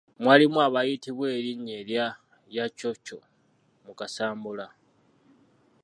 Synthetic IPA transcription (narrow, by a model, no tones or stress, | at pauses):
mwaːlimwaβajitiβwe̞ːɾiɲelja | jat͡ʃo̞t͡ʃo̞ | mukasaːmbula